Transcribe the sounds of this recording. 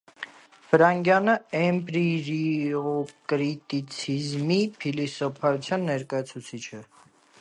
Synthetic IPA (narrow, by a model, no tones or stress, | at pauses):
fəɾɑŋɡjɑnəɛmpɾiɾiɔkɾit̪it͡sʰizmipʰilisɔpʰɑjut͡sʰjɑnːɛɾkɑjɑt͡sʰut͡sʰit͡ʃʰɛ